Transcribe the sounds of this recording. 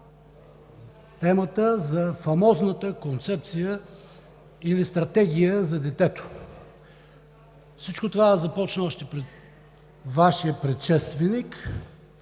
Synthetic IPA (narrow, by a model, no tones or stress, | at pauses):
t̪ɛmət̪əzɐfɐmɔznət̪əkont̪sɛp̚t̪sijə | ilist̪ɾɐt̪ɛɡʲijəzɐd̪ɛt̪ɛt̪o̥ | fsit͡ʃkot̪ovazɐpɔt͡ʃnəɔʃt̪ɛpɾɛt̪̚ | vaʃiəpɾɛt̪ʃɛst̪vɛnik